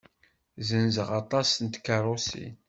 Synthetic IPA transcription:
zənzəʁɑt̪ˤɑsənt̪kːɑɾˤosḭn

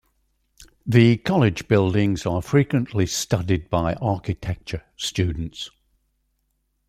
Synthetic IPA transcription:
ðəkʰɒlɪd͡ʒbɪlˠdɪ̃ŋz̥əfɹiˑkwə̃nʔlɪstʌdɪd̚baɪʔɑˑkɪtʰɛk̚t͡ʃəst͡ʃʉːdⁿn̩ts

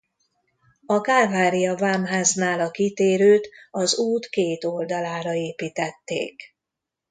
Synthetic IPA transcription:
ɒkaːrvaːɾijɒvaːmɦaːznaːlɒkit̪eːɾøːt̪ɒzuːt̪keːt̪o̞ld̪ɒlaːɾɒeːpiːt̪ɛt̪ːḛːk

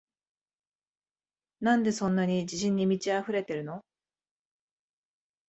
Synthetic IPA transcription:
nãnd̪e̞sõ̞nːaɲ̟id͡ʑiɕĩɲ̟ːimʲit͡ɕiaɸɯ̟ɾe̞t̪e̞ɾɯ̟no̞

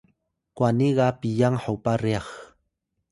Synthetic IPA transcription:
kwaniɢɑpijaŋħawpaɾeɑχ

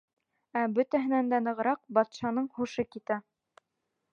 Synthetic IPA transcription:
æbɵ̆t̪æɦɘ̆nænd̪ænɤ̆ʁɤ̆ɾɑq̚bɑt̪ʃɑnɤɴhuʃɤkit̪æ

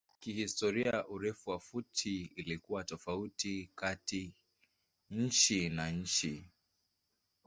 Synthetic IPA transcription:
kihistɔɾiaʔuɾɛfuwafutʰiːlikuwatɔfautikati | ɲ̩t͡ʃinaɲ̩t͡ʃi

